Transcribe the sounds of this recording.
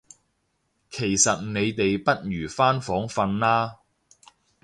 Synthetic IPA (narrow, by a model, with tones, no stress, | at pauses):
kʰe˨˩jsɐ˨t̚ne˨˧jt̪e˨jpɐ˥t̚jyː˨˩faː˥nfɔː˨˥ŋfɐ˧nlaː˥